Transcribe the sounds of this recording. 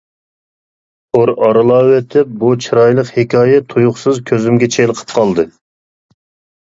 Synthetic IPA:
qʰoɾɑɾɨlˠɑwet̪ʰɪp̚but͡ʃʰɨɾɑjlˠəqhekʲɑːjɛt̪ʰujuχsɨzkʲʰøzymɡʲɛt͡ʃʰelˠəqʰə̥p̚qʰɑlˠd̪ɨ

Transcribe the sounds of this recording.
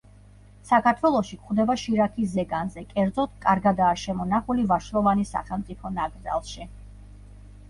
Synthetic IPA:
sakʰaɾt̪ʰwɛlˠɔʃikχd̪ɛbaʃiɾakʰisːɛɡanzɛkʼɛɾd̪zɔt̪̚ʰkʼaɾɡad̪aːʃɛmɔnaχulivaʃɾɔvanisa̰χɛlˠmt̪sʼipʰɔnaɡɾza̰lˠʃi

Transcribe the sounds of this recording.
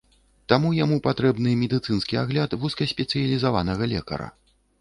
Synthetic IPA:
t̪amujamupat̪ɾɛbnɨmʲɛd̪ɨt̪sɨnskʲiaɣlʲat̪vuskɐsʲpʲɛt̪sɨjɐlʲizavanɐɣɐlʲɛkɐ̰ɾɐ̰

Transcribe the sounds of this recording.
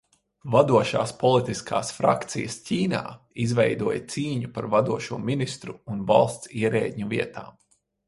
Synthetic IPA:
vad̪uɔʃa̰ːspɔlˠit̪iskʰa̰ːsfɾa̰kt̪sḭjɐscʲiːna̰ː | izvɛjd̪uɔjət̪siːɲupaɾvad̪uɔʃuɔminist̪ɾuːnva̰lˠst̪siɛɾɛ̰ːd̪ɲuviɛt̪a̰ː

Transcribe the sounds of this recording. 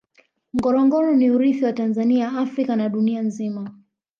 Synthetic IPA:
ŋ̩ɡɔɾɔŋɡɔɾɔniuɾiθiwatanzaniaaafɾikanaɗunianzima

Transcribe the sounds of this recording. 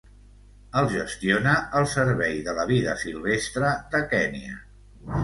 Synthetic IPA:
əlˠʒəst̪ionəəlˠsəɾβɛjðələβ̞iðəsilˠβest̪ɾəd̪əkɛniə

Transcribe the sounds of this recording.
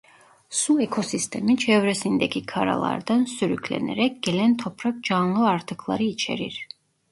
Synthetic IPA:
suekʰosist̪ʰemit͡ʃʰɛvɾesind̪ɛcʲʰikʰaɾa̰lˠa̰ɾd̪ansyɾycʰʲlʲḛnɛ̰ɾɛcʲɡ̥elɛnt̪ʰopʰɾak̚d͡ʒanlˠɯaɾt̪ʰɯkʰlˠa̰ɾɯit͡ʃʰḛɾiɾ̥

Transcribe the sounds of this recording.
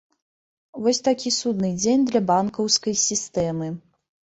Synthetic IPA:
vɔsʲt̪akʲisud̪nɨd͡zʲenʲd̪lʲɐbankɐwskɐjsʲist̪ɛmɨ

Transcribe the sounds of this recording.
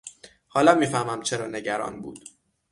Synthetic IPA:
hɒːlɒmːiːfæhmæmt͡ʃʰeɾɒːne̞ɟæɾɒ̰ːnbṵːd̪̥

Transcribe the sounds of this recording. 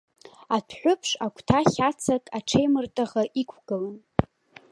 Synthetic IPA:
atʰħʷᶣʊpʰʂakʷʰtʰaχʲat͡sʰatʼaʈ͡ʂʰejmɨrtʼaʁaʔikʷʰɡ̥ɨlan

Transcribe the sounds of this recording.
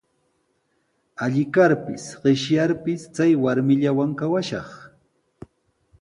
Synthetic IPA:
aʎɪkaɾpɪsɢɪʃjaɾpɪst͡sajwaɾmɪʎawaŋkawaʃɑχ

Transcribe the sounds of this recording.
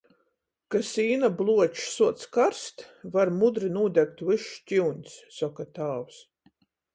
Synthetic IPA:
kasiːnablˠuɔt͡ʃsuɔt̪skaɾst̪vaɾmud̪ɾinuːd̪ʲæk̚t̪vɨʃcʲiwɲʲsːɔkat̪aːws

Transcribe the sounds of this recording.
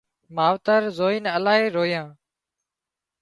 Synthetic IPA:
maːʋt̪əɾzoːiːnəlaːɦeːɾoːjãː

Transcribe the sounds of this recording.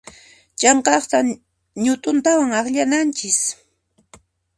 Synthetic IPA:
t͡ʃɑɴqɑχt̪a | ɲʊt̪ʊnt̪awaŋɑχʎanant͡ʃɪs

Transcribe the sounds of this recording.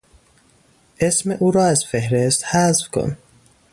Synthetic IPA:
ʔesmeʔuːɾɒːæzfehɾest̪hæzfkʰo̰n

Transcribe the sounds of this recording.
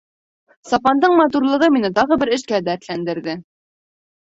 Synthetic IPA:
sɑpɑnd̪ɤɴmɑt̪̬uɾlˠɤ̆ʁɤminɘt̪ɑʁɤbɘɾɘ̆ʃkæd̪ææɾt̪lænd̪ɘ̆ɾðɘ

